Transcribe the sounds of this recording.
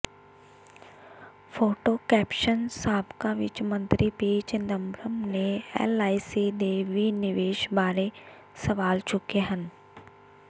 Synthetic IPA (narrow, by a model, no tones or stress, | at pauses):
fʰoːʈokɛːpʃənsaːbkaʋɪ̰t͡ʃmə̃nt̪ɾipiːt͡ʃɪnd̪ə̃mbɾəmneɛ̰ːlaːisid̪eːʋinɪʋeːʃbaːɾe | səʋaːlt͡ʃʊkeɦən